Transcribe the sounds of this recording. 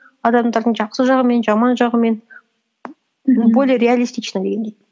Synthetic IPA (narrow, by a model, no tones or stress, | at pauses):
ɑd̪ɑmd̪ɑɾd̪əɴʒɑqsəʒɑʁəme̞nʒɑmɑnʒɑʁəme̞n | bolʲeɾʲealʲist̪it͡ʃnəd̪e̞ɡʲed̪ʲej̪